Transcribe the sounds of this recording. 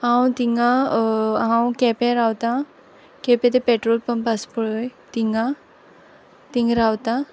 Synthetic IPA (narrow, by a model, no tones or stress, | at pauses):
hãwt̪iŋɡã | ɦãwkɛpɛ̃ɾawt̪a | kɛpɛt̪epeʈɾolpənpaspəɭəjt̪iŋɡã | t̪ĩŋɡɾawt̪ã